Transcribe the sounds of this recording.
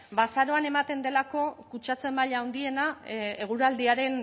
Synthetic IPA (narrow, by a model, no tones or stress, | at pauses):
basaɾo̞ane̞mat̪e̞nd̪e̞lako̞kut͡ʃat͡se̞mbaʎawnd̪ie̞nae̞ɣ̞uɾald̪iaɾe̞n